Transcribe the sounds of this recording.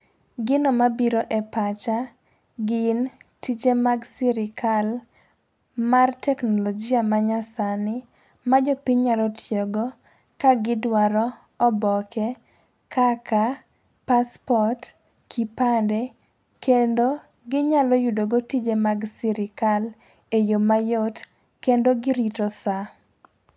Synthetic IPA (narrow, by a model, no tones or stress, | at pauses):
ɡɪnɔmabiɾoʔɛpat͡ʃa | ɡɪntit͡ʃemaɡsiɾɪkʰal | martʰɛknɔlɔd͡ʒɪamaɲasanɪ | mad͡ʒɔpiɲɲalɔtʰjeɡɔ | kaɡɪdwaɾɔ | ɔbɔkɛ | kʰaka | paspɔt | kʰipandɛ | kendo | ɡɪɲalɔjudoɡotid͡ʒemaɡsiɾɪkal | ejomajot | kendoɡɪɾitosa